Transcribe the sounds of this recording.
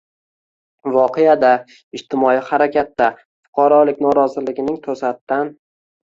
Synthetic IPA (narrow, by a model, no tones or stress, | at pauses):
vɒqʰejad̪a | ɪd͡ʒt̪ʰɪmɒjɪhaɾakʲʰat̪ːa | fʊ̥qʰɑɾɒlɪkʲnɒɾɒzɪlɪɡʲɪnɪŋt̪ʰosat̪ːan